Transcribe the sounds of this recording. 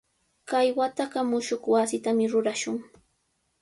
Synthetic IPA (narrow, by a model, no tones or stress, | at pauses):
kajwat̪aɢɑmʊʃoχwasɪt̪amɪɾʊɾaʃʊŋ